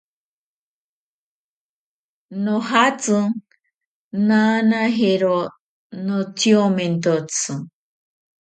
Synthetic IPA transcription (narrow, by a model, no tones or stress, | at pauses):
nohat͡sɨ | nanaɦeɾo | notjomẽnt̪ot͡sʰɨ